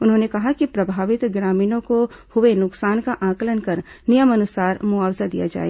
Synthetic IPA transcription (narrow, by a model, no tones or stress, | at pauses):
ʊnɦõnekɐɦakipɾɐbʱaːʋɪt̪ɡɾaːmiːnõkohʊʋenʊksaːnkaʔãːklənkɐɾ | nijəmɐnʊsaːɾmʊaːwzad̪ija̰d͡ʒa̰ːḛ